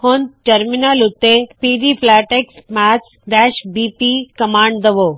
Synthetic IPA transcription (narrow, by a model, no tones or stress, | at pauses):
honʈɐɾminalʊt̪ːepiːd̪ipʰlæːʈeksmæt͡ʃ | ɖ̪ɛʃbipikɐmãːɳɖd̪əʋo